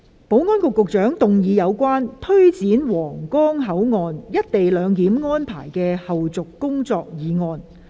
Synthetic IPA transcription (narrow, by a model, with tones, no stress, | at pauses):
po˨˥wŋɔː˥nkʊ˨˧kːʊ˨k̚t͡ʃœː˨˥ŋt̪ʊ˨ŋjiː˨˧jɐ˨˧wkʷaː˥nt̪ʰɵ˥ɥt͡siː˨˥nwɔː˨˩ŋkɔː˥ŋɦɐ˨˥wŋɔː˧njɐ˥t̚t̪e˨jlœː˨˧ŋt̪iː˨˥mŋɔː˥npʰa̰ː˨˩jkɛː˧hɐ˨wt͡sʊ˨kːʊ˥ŋt͡sɔː˧k̚jiː˨˧ŋɔː˧n